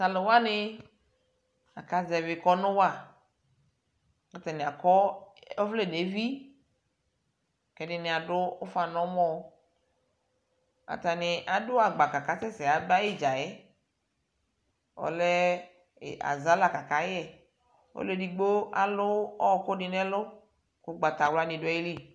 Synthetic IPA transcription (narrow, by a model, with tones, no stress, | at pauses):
sa˨lo˨wa˦nɪ˦ | a̰˨ka˦zɛ˨vɪ˨kɔ˦nʊ̃˦wa˦˨ | a˨t̪a˨nɪ̃˨a˨kɔ˦o˦vle˦˨ne˨˦vi˦ | kɛ˨dɪ˦nɪ˨a˨dʊ˦o˦fa˨nɔ̃˨˦mɔ̃˦˨˦ | a̰˨t̪a˨nɪ˨ʔa˨dʊ˦a˨ɡ͡ba˨ka˨ka˨˦sɛ˦sɛ˨a˨ba˦je˦˨d͡ʒa˨jɛ˦ | ɔ̰˨lɛ˦˨ | a̰˨za˦la˨ka˨ka˨˦jɛ˦˨ | o̰˦le˦di˨ɡ͡bo˦a˨lʊ˦ɔ˦ko˦nɪ˨nɛ˦lʊ˦ | ko˦ɡ͡ba˨t̪a˨wla˦nĩ˨dʊ˦ji˦li˦˨